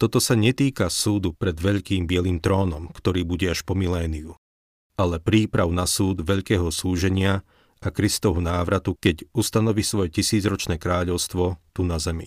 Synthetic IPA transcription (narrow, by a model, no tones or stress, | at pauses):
t̪ɔt̪ɔsaɲɛt̪iːkasuːd̪upɾɛd̪ʋɛʎkiːmbɪɛliːmt̪ɾɔːnɔmkt̪ɔɾiːbuɟɛaʃpɔmilɛːniu | alɛpɾiːpɾaʊnasuːd̪ʋɛʎkɛːɦɔsuːʒɛɲɪa | ʔakɾist̪ɔɦunaːʋɾat̪ukɛɟust̪anɔʋisʋɔjɛcisiːd͡zɾɔt͡ʃnɛːkɾaːʎɔʊst̪ʋɔt̪unazɛmḭ